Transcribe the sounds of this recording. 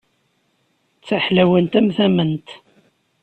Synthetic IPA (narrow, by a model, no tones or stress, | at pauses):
t͡sːaħlæwənt̪æmθæmənt̪